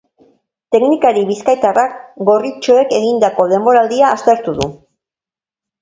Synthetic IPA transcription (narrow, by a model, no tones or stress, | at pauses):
t̪e̞knikaɾiβiskajt̪arakɡo̞rit͡ʃo̞e̞ke̞ɣind̪ako̞ðe̞mbo̞ɾald̪iaːst̪e̞ɾt̪uðṵ